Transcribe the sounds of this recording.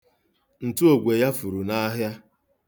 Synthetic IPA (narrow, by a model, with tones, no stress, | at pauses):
n̩˨tu˦o˨ɡʷe˨ja˦fu˨ɾu˨na˦ɦja˦